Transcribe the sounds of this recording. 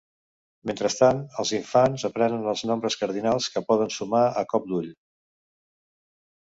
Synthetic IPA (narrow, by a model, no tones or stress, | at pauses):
ment̪ɾəst̪anəlˠziɱfanzəpɾɛnənəlˠznɔmbɾəskəɾðinalˠskəpɔðənsumaəkɔp̚d̪uʎ